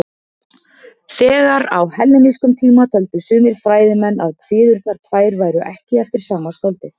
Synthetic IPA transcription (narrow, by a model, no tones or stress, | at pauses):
θɛːɣaɾa̰whɛlːɪmiskʏmt̪ʰiːmat̪ʰœlt̪ʏsʏːmɪɾ̥fɾaːjðɪmɛnːaðkʰvɪːðʏɾt̪naɾ̥t̪ʰvaːjɾvaːjɾʏʔɛhcɪɛft̪ɪɾ̥saːmaskɔlt̪ɪ